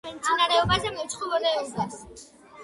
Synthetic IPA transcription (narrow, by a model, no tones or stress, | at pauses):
ɛmt̪sʰʼinaɾɛɔbazɛmɛt͡ʃʰχɔvɔlɛɔbas